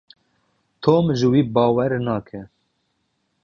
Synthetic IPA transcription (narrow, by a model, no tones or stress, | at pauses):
t̪ʰoːmʒɨwiːbɑːwɛɾnɑːkʰɛ